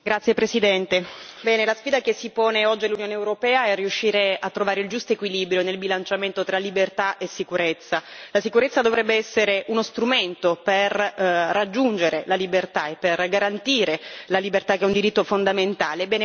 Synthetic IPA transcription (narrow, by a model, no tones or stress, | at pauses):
ɡɾat̪sːjepɾesid̪ɛnt̪e | bɛːnelasfiːd̪akesːipoːneɔd͡ʒːialːunjoːneːwɾopɛːaɛrːiuʃːiːɾeat̪ːɾovaːɾeild͡ʒust̪oekwiliːbɾjonelbilant͡ʃament̪ot̪ɾalibert̪aesːikuɾet̪sːalasikuɾet̪sːad̪ovɾɛbːeɛsːeɾeʔunost̪ɾument̪operːad͡ʒːund͡ʒeɾelalibert̪aepːerɡaɾant̪iːɾelalibert̪ak̟eɛund̪iɾit̪ːofond̪ament̪aːlebːɛːne